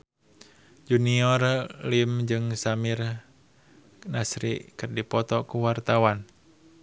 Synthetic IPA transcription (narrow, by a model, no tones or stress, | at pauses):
d͡ʒuniɔrlimd͡ʒɨŋsamir | nasɾḭʔkɨrdipɔt̪ɔkuwart̪awan